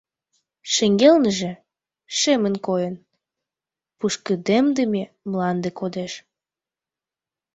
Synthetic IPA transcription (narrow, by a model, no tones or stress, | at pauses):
ʃeŋɡelnəʒĕ | ʃemənkojən | puʃkəd̪emd̪əme | mlɑnd̪ekod̪eʃ